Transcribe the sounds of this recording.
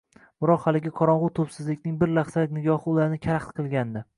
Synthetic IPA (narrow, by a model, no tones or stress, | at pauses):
bɪɾɒqhalɪɡʲɪqʰɒɾɒɴʁʊt̪ʰɵpsɪzlɪkʲnɪŋbɪɾlaχsalɪk̚ʲnɪɡʲɒhɪʊlaɾnɪkʲʰaɾaχt̪qʰɨlˠɡʲand̪ɪ